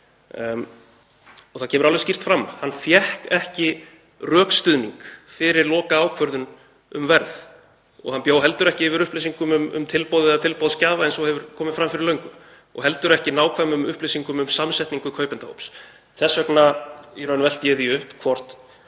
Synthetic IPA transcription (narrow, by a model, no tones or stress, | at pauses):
ɔɣθacʰɛːmʏɾalvɛscir̥t̪fɾamːa̰hanfjɛhkɛhcɪ | rœːkst̪ʏðniŋkfɪɾɪɾlɔːkaaːwkʰvœɾðʏn | ʏ̰mvɛɾð | ɔ̰ɣhanpjaːwɦɛlt̪ʏɾɛhcɪɪvɪɾʏhplɪsiŋkʏmʏmʏ̰mt̪ʰɪlpoːwðɪat̪ʰɪlpowðscaːvaɛnsɔhɛvʏɾ̥kʰɔːmɪfɾamfɪɾɪlœɥŋkʏm | ɔ̰ɣɦɛlt̪ʏɾɛhcɪnaːwkʰvamʏmʏhplɪsiŋkʏmʏmsamsɛjht̪niŋkʏkʰœːɥpɛnt̪aho̰wps | θɛsːœknaiɾœnvɛl̥t̪jɛːðiʏhpkʰvɔr̥t̪